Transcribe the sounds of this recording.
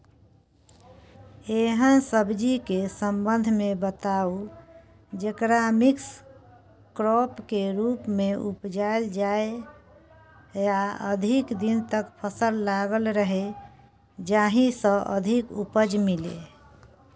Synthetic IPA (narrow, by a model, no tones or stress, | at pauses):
eɦənsəbd͡ʒikesəmbənd̪ʱmebət̪au | d͡ʒekɾamiks | kɾɔpkeɾupmeupd͡ʒaeld͡ʒae | jaəd̪ʱikd̪int̪əkpʰəsəlːaɡəlɾəɦe | d͡ʒaɦĩsə̃ʔə̰d̪ʱikupəd͡ʒmilḛ